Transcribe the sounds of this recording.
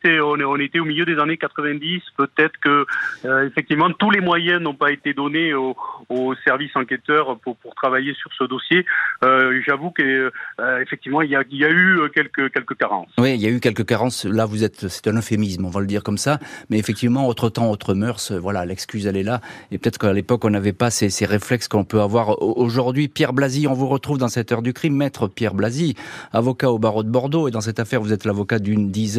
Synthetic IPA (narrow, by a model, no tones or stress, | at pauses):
sɛɔ̃nɔ̃net̪eomiljød̪ezanekat̪χəvɛ̃d̪ispət̪ɛt̪χə̥kəøefɛk̚t̪ivmɑ̃t̪ulemwajɛ̃nɔ̃paet̪ed̪ɔneoosɛʁvisɑ̃ket̪œʁpuʁpuʁt̪χavajesyʁsəd̪ɔsjeøʒavukə | efɛk̚t̪ivmɑ̃iljailjayøkʲɛlkəkʲɛlkəkaʁɑ̰̃swiiljaykʲɛlkəkaʁɑ̃slavuzɛt̪sɛ̥t̪ɛ̃nɔfemismɔ̃valəd̪iʁkɔmsamɛefɛk̚t̪ivmɑ̃ot̪χət̪ɑ̃ot̪χəmœʁsøvwalalɛkskʲyzɛlɛlaepø̥t̪ɛt̪χə̥kalepɔkɔ̃navɛpaseseʁeflɛkskəɔ̃pøavwaʁʔoʒuʁd̪ɥipjɛʁblaziɔ̃vuʁət̪χuvd̪ɑ̃sɛt̪œʁd̪ykχimːɛt̪χəpjɛʁblaziavɔkaobaʁod̪əbɔʁd̪oed̪ɑ̃s̬ɛt̪afɛʁvuzɛt̪lavɔkad̪ynd̪iz